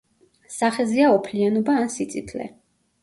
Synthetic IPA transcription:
saχɛziaɔpʰlianɔbaːnsit̪sʼit̪ʰlɛ̰

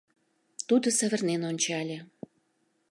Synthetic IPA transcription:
t̪ud̪ə̆sə̆βə̆rnenonʲt͡ɕɑlʲe

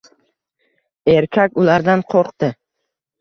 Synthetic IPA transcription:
e̞ɾkʲʰakʲʊlaɾd̪anqʰoɾqt̪ɪ

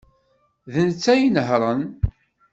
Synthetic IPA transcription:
ðənt͡sːæjinəɦɾˤən

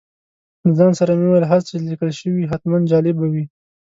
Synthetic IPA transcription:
zɑnsaɾamewajlɦaɾt͡ʃelikəlʃəwiɦat̪mand̪d͡ʒɑlɪbawi

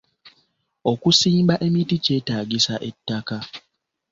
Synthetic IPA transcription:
okusiːmbaʔe̞mitice̞ːtaːɡisaʔe̞tːaka

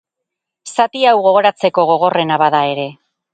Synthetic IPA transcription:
sat̪iawɣo̞ɣ̞o̞ɾat͡se̞ko̞ɣ̞o̞ɣ̞o̞re̞naβaðae̞ɾe̞

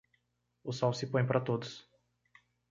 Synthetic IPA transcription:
ʊsɔwsɪpõj̃paɾɐt̪od̪ʊs

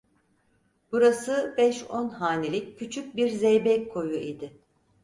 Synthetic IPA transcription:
b̥uɾasɯbɛʃonhaːnʲelʲicːʰyt͡ʃʰyc̚ʲbiɾzɛjbɛckʰːo̞juid̪ɪ

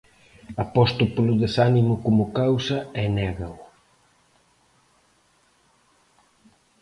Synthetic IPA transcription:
ɐpɔst̪ʊpolʊðesanimʊkomʊkawsɐɛnɛɣɐʊ

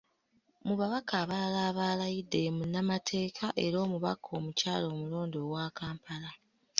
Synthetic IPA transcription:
muβaβakʰaːβalaːβaːlajidːe̞munamatʰe̞ːkʰaʔeɾo̞ːmuβa̰kʰo̞ːmucaːlo̞ːmulo̞ːndoːɡwakaːmpʰala

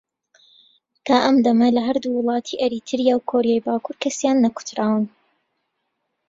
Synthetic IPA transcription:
t̪ʰaːʔɐmd̪ɐmɐlɐɦɐɾd̪uːwʊlˠɑːt̪ʰiʔɐɾit̪ʰɨɾjaːwkʰoːɾijaːjbaːkʰuɾkʰɐsjaːnːɐku̥t̪ʰɾaːwɨn

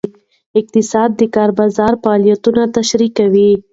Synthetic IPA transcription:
ɪq̚t̪ɪsɑd̪̚ːəkɑɾbɑzɑɾfaːlijat̪unat̪aʃɾikawi

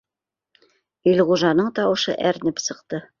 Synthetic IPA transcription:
ɵlʁuʒɑnɤɴt̪ɑwɤ̆ʃɤ̰ʔæɾnɘpsɤ̆qt̪ɤ

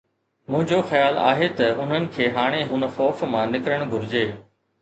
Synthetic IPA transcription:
mʊ̃ɦɪ̃ɲd͡ʑoxjaːla̰ːɦet̪ɐʊn̤ənɪ̆kʰeːɦaːɽ̃eɦʊnə̆xɔːfmãnɪkɾəɽ̃ɡʱʊɾɪd͡ʑeː

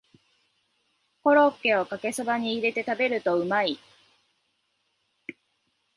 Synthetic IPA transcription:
ho̞ɾo̞kːe̞o̞kake̞sɨbaɲ̟iːɾe̞t̪e̞t̪abe̞ɾɯ̟t̪o̞ɯ̟mai

